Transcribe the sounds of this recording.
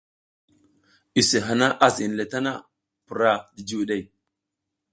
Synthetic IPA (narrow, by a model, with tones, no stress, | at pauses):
i˨se˨ɦa˨na˦ʔa˦si˨n˨le˨ta˦na˦ | pu˨ɾa˦di˨d͡ʒi˦wɗe˦˨i˨